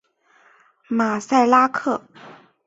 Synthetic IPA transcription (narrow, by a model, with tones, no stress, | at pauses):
ma˨˩sa˥˩ɪla˥kʰɤ˥˩